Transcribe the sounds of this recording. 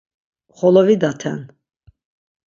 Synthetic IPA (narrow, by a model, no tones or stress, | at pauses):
χɔlɔvid̪at̪ʰɛ̰n